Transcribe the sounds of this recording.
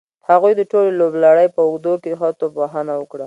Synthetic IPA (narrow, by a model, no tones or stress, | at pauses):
haɣujd̪əʈoleloblaɽəjpəʊɡd̪oked̪əxat̪obaɦanawəkɽa